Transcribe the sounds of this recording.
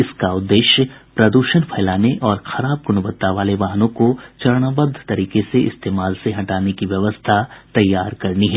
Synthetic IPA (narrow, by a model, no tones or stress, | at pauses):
ɪskaʊd̪ːeːʃjəpɾɐd̪uːʃənpʰɐːlaːneʔɔːɾxʰɐɾaːb̚ɡʊnbət̪ːaʋaːleʋaːɦnõkot͡ʃɐɾɽ̃abəd̪ʱt̪ɐɾiːkeseɪ̰st̪eːmaːlseɦɐʈaːnekiʋjɐʋəst̪ʰat̪ɐjːaːɾkɐɾniɦɛː